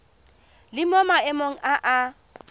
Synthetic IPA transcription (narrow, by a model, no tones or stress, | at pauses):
lɪmɔmaɛmoŋ̩aʔa